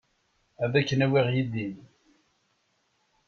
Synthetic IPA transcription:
æðækːənæwiʁjiðin

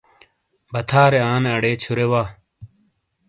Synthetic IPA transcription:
bɐt̪ʰaːɾeaːnɐɽeːt͡ɕʰuɾewaː

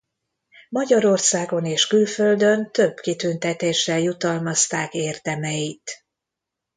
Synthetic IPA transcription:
mɒɟɒɾo̞rsaːɡo̞neːʃkylfø̞ld̪ø̞nt̪ø̞bkit̪ynt̪ɛt̪eːʃɛljut̪ɒlmɒst̪aːkeːrd̪ɛmɛjit̪

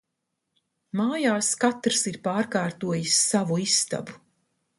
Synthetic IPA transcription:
maːjaːskat̪ɾɨsiɾpaːɾkaːɾt̪uɔjisːavuisːt̪a̰bu

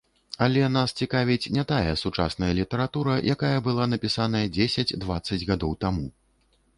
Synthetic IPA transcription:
ɐlʲɛnast͡sʲikavʲit͡sʲnʲɛt̪ajɐsut͡ʂa̰sn̪ɐjɐlʲit̪ɐɾat̪uɾɐjʔakajɐbɨlˠan̪ɐpʲisan̪ɐjɐd͡zʲesʲɐd͡zʲd̪vat̪sːɐd͡zʲɣad̪ɔwt̪amu

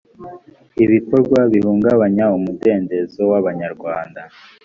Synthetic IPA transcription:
iβiko̞ɾɡwaβihuːŋɡaβaɲaumude̞ːnde̞zowaβaɲaɾɡwaːnda

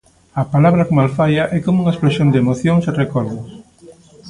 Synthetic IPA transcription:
ɐpalaβɾɐkomalfajɐʔɛkomʊuŋɐespɾesʃjond̪eemoθjoŋsɪrekɔɾðʊs

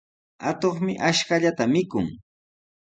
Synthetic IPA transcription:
at̪oχmɪʔaʃkaʎat̪amɪkʊŋ

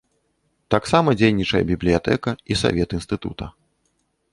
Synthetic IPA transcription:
t̪aksamɐd͡zʲejnʲit͡ʂɐjɐ̰bʲiblʲijat̪ɛ̰kɐisa̰vʲɛt̪ɨnst̪ɨt̪ṵt̪ɐ

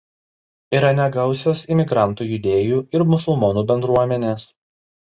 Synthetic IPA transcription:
iːɾɐnʲɛɡɐʊsʲoːsɪmʲɪɡɾɑˑnˑt̪uːjʊd̪ʲeːjuːɪɾmʊsʊlˠmɔnuːbʲɛnd̪ɾuɔmʲɛnʲeːs

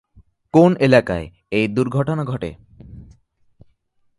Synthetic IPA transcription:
konelaka̰e | ejd̪uɾɡʱɔʈɔnaɡʱɔʈḛ

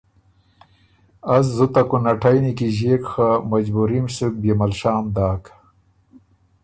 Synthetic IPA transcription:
azzut̪akunaʈʰajnikiʑeːkxamad͡ʑbuɾimsuk̚bemɐlʃaːmd̪aːk

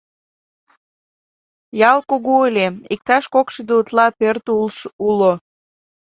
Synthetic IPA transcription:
jɑlˠkuɣuelʲeik̚t̪ɑʃkokʃəd̪eut̪lɑpørt̪ulʃulo

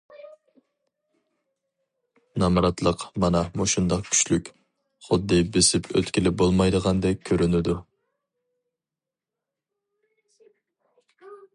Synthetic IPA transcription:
nɑmɾɑt̪lˠəqmɑnɑmoʃund̪ɑqkʲʰy̥t͡ʃlykʲ | χʊd̪ːɨbɪsɪpʰø̰t̪kʲilɪbolˠmɑjd̪əʁɑnd̪ɛkʲkʲʰøɾynɪd̪u

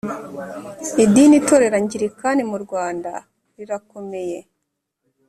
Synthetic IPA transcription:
idinitoɾe̞ɾaɲɟiɾikanimuɾɡwaːnda̰ | ɾiɾako̞me̞je̞

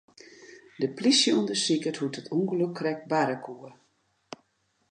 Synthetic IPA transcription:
dəplisjəuəndəsikəthutətʰuŋɡəløkʰːrɛk̚baɾəkuə

